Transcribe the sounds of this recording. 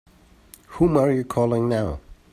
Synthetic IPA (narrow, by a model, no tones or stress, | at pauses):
hũmə˞jəkʰɔlˠɪ̃ŋnaʊ